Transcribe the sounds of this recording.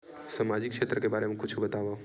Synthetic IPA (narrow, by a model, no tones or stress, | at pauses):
samad͡ʒɪkʃet̪ɾəkebaɾemẽkʰʊt͡ʃʰubət̪aʋa